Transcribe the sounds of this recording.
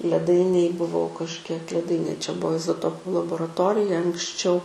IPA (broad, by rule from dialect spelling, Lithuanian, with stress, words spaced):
lʲɛˈdɐɪnʲeːj bʊˈʋɐʊ kɐʃʲˈkʲiɛk lʲɛˈdɐɪnʲeː t͡ʃʲɛ ˈbuɔ ɪzoːˈtoːpʊ lˠɐboːrɐˈtoːrʲɪjɛ ɐŋksʲˈt͡ʃʲɛʊ